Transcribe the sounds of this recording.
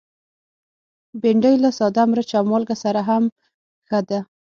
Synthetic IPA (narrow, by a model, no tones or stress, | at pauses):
beɳɖəjlasɑd̪amɾət͡ʃamɑlɡasaɾaɦam | xəd̪a